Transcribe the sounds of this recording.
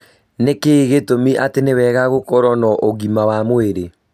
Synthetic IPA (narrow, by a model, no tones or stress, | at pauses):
nekeɣetomiʔatenewɛːɣaɣokɔɾɔnɔʔoɣimawamweɾe